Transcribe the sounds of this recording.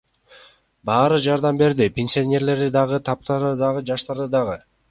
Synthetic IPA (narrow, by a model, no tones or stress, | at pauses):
bɑːɾɯd͡ʒɑɾd̪ɑmbe̞ɾd̪ipʲenʲsʲionʲe̞ɾle̞ɾd̪id̪ɑʁɯt̪ʰɑp̚t̪ɑɾɯd̪ɑʁɯd͡ʒɑʃt̪ɑɾd̪ɯd̪ɑʁɯ